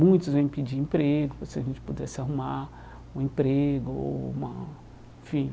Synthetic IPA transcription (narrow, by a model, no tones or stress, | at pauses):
mũj̃t̪ʊzvẽj̃pid͡ʒiẽpɾeɡʊpɾɐsɪɐʒẽnt͡ʃɪ̥pud̪ɛsɪaɦuma | ũẽpɾeɡʊo̰ṵmɐ̰ | ẽfĩ